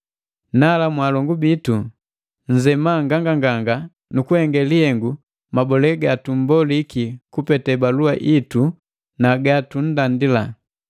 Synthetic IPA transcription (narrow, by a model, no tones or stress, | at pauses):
nalamwalɔŋɡubitu | ɲ̩d͡ʒɛmaŋɡaŋɡaŋɡaŋɡa | nukuhɛŋɡɛlihɛŋɡu | mabɔlɛɡatum̩bɔlikikupɛtɛbaluaʔitu | naɡatun̩dandila